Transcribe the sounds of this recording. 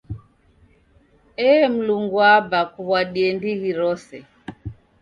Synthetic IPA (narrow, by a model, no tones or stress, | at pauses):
ɛm̩luŋɡuabakuβwaɗiɛndiɣiɾɔsɛ